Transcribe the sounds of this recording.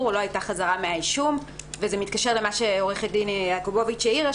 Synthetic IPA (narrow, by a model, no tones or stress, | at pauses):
ulo̞ajtaχazaʁameaiʃumvezemitkaʃe̞ʁle̞maʃeoʁeχet̚dineakobo̞vit͡ʃeiʁa